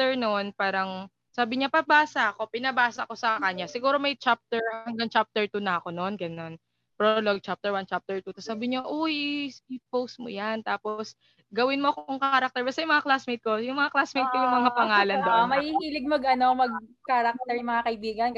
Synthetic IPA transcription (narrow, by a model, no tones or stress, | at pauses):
t̪ɛɹnonpaːɾɐŋ | saːbɪɲapɐbaːsɐɐko̞pɪnɐbaːsɐko̞sɐkɐɲasɪɡuːɾo̞mɐjt͡ʃap̚t̪ɛɹhɐŋɡɐŋt͡ʃap̚t̪ɛɹt̪unɐʔɐko̞no̞nɡɐno̞n | pɾoloɡ̚t͡ʃap̚t̪ɛɹwant͡ʃap̚t̪ɛɹt̪ut̪ɐsaːbɪɲoʔoisɪpows̚mo̰jant̪aːpos | ɡɐwɪnmoʔɐkooŋkɐkɐɾak̚t̪ɛɹbɐst̪ɐjʊŋmɐŋaklasmejt̪̚ko̞jʊŋmɐŋaklasmejt̪̚kojʊŋmɐŋapɐŋaːlɐnd̪oʔmɐhiːhiːlɪɡ̚mɐɡʔɐnomɐɡ̚kaɾak̚t̪ɛɹjʊŋmɐŋakɐɪbiːɡɐn